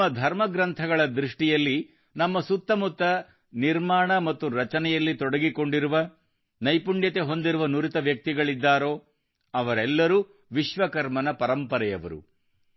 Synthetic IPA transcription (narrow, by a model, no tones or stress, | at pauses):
ɐd̪ʱɐɾmɐɡɾɐnt̪ʰɐɡɐɭɐd̪ɾiʂʈijɐlːi | nɐmːɐsut̪ːɐmut̪ːɐ | niɾmaːɳɐmɐt̪ːuɾɐt͡ʃɐnɛjɐlːit̪ɔɽɐɡiko̞ɳɖiɾuʋɐ | nɐjpuɳɖjɐt̪e̞ɦo̞nd̪iɾuʋɐnuɾit̪ɐʋjɐk̚t̪iɡɐɭid̪ːaːɾo̞ː | ɐʋɐɾɛlːɐɾuː | ʋiʃʋɐkɐɾmɐnɐpɐɾɐmpɐɾɛjɐʋɐ̰ɾṵ